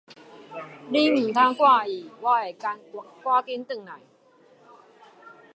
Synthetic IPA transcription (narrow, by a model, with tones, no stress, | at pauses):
li˦m̩˨˩t̪ʰa˦kwa˥˧˨i˨˩wa˦e˨˩ka˧˦nkwa˦ki˦nt̪ɨ˥˩ŋna˨˩˦j